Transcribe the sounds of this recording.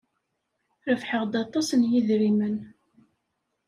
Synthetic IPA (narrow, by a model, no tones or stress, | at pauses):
ɾəfħəʁd̪ɑt̪ˤːɑsənjiðɾimən